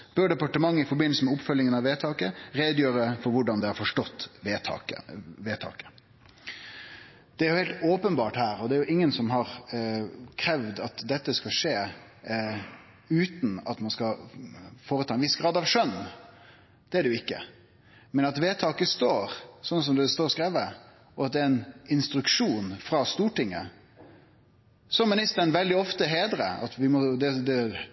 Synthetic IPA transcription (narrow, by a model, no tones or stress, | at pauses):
b̥œɖɛpɑʈəmɑŋːəɪfɔɾbɪnəlsəmɛʊpfœljɪŋənɑʋeːt̪ʰɑːkəɾeːd̪jøːɾəfɔɾʋʊɖɑnd̪ɛhɑɾfɔʂʈɔt̪ːʋeːt̪ʰɑ̰ːkə̰eːt̪ʰɑ̰ːkə̥ | d̪̥ɛæɾjʊheːlt̪oːpənbɑːʈhæːɾɔd̪ɛæɾjʊʔɪŋːənsɔmɦɑɾ | kʰɾɛʋd̪ɑt̪d̪ɛt̪ːəskɑʂeː | ʉːt̪n̩ɑ̰t̪mɑnskɑ | foːɾət̪ʰɑːɛnʋɪsɡ̥ɾɑːd̪ɑʋʂœn | d̪̥ɛæɖɛjʊɪkːə̰ | mɛnɑt̪ʋeːt̪ʰɑːkəst̪oːɾsɔnːəs̬ɔmd̪ɛst̪oːɾskɾeːʋə | ɔɑt̪̚d̪ɛɛnɪnst̪ɾʉkʂuːnfɾɑst̪uːʈɪŋːə̰ | sɔmːɪnɪst̪əɳʋɛld̪ɪɔft̪əɦeːd̪ɾə̰ɑ̰t̪ʋɪmɔd̪ɛd̪ɛ